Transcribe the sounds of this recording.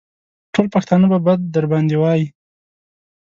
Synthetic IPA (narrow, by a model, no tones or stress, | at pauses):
ʈolpaxt̪ɑnəbabad̪̚ːaɾbɑnd̪ewɑji